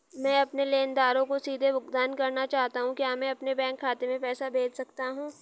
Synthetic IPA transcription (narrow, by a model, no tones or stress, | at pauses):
mɛ̃ːɐpneleːnd̪aːɾõkosiːd̪ʱebʱʊkd̪aːnkɐɾnat͡ʃaːɦt̪aɦũkjaːmɛ̃ɐpnebɛ̃ːŋkʰːaːt̪emẽpɛːsabʱeːd͡ʒsɐkt̪aɦũː